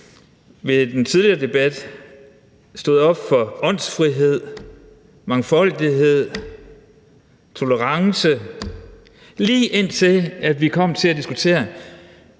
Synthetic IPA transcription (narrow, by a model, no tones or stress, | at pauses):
ʋe̝d̥ent͡sʰið̞ˠliɐːd̥e̝b̥æd̥ | sd̥o̝ːð̩ˠɒ̽b̥fɒ̽ɒ̽n̰sfʁiɦe̝ð̞̰ˠ | mɑ̈ŋfɒ̽l̰d̥iɦe̝ð̞̰ˠ | t͡sʰo̝ləʁɑ̈ŋsə | liːʔe̝n̰t͡sʰe̝læd̥ʋikʰɒ̽m̰t͡sʰe̝læd̥isɡ̥ut͡sʰe̝̰ːɐ